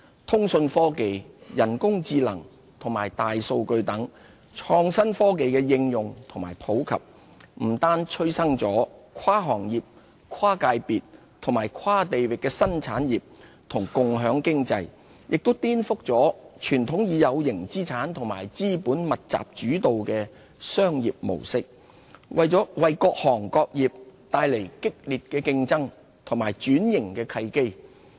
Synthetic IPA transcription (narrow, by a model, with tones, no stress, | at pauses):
t̪ʰʊ˥ŋsɵ˧nfɔː˥ke˨jjɐ˨˩nkʊ˥ŋt͡siː˧lɐ˨˩ŋ | t̪ʰʊ˨˩ŋmaː˨˩jt̪aː˨jso˧wkɵ˧ɥt̪ɐ˨˥ŋ | t͡ʃʰɔː˧ŋsɐ˥nfɔː˥k̬e˨jkɛː˧jɪ˧ŋjʊ˨ŋt̪ʰʊ˨˩ŋma̰ː˨˩jpʰo˨˥wkʰɐ̰˨p̚ | m̩˨˩t̪aː˥nt͡ʃʰɵ˥ɥsɐ˥ŋt͡sɔː˨˥kʰwaː˥ɦɔː˨˩ŋjiː˨p̚ | kʰwaː˥kaː˧jpiː˨t̚ | t̪ʰʊ˨˩ŋmaː˨˩jkʰwaː˥t̪e˨jwɪ˨kːɛː˧sɐ˥nt͡sʰaː˨˥njiː˨p̚ | t̪ʰʊ˨˩ŋkʊ˨ŋɦœː˨˥ŋkɪ˥ŋt͡sɐ̰˧j | jʔɪ˨k̚t̪o˥wt̪iː˥nfʊ˥k̚t͡sɔː˨˥t͡ʃʰyː˨˩nt̪ʰʊ˨˥ŋjiː˨˧jɐ˨˧wjɪ˨˩ŋt͡siː˥t͡sʰaː˨˥nt̪ʰʊ˨˩ŋma̰ː˨˩jt͡siː˥puː˨˥nmɐ˨t̚t͡sa̰ː˨p̚t͡ʃyː˨˥t̪o˨wkɛː˧ | sœː˥ŋjiː˨p̚mo̰˨˩wsɪ˥k̚ | wʔɐ˨jt͡sɔː˨˥wɐ˨jkɔː˧k̚hɔː˨˩ŋkɔː˧k̚jiː˨p̚t̪aː˧jle˨˩jkɪ˥k̚liː˨t̚kɛː˧kɪ˧ŋt͡sɐ˥ŋ | t̪ʰʊ˨˩maː˨˩jt͡ʃyː˨˥njɪ˨˩ŋkɛː˧kʰɐ˧jke˥j